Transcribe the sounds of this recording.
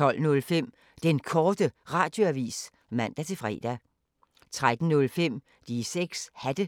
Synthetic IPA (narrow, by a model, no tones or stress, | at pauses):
t͡sɒ̽l̰nɔ̽lfem̰ | d̥enkʰɒːd̥əʁɑ̰̈ːd̥jo̝æʋḭːs | mæn̰d̥æt͡sʰe̝fʁɛ̰ːd̥æ | t͡sʰʁad̥n̩nɔ̽lfem̰ | d̥iseɡ̥shæd̥ə